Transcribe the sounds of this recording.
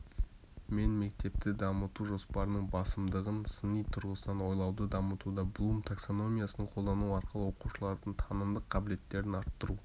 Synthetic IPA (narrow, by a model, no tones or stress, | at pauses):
me̞nme̞k̚t̪e̞p̚t̪ɪd̪ɑmət̪uʒo̞spɑɾnəɴbɑsəmd̪əʁənsənijt̪ʰʊɾʁəsnɑnwo̞jlˠɑwd̪əd̪ɑmət̪ud̪ɑblˠumt̪ʰakso̞no̞mʲijasənəɴqʰolˠd̪ɑnuɑɾqəlˠəwo̞quʃəlˠɑɾd̪əɴt̪ʰɑnəmd̪əqʰːɑbɪle̞t̪ːe̞ɾɪnɑɾt̪ːəɾu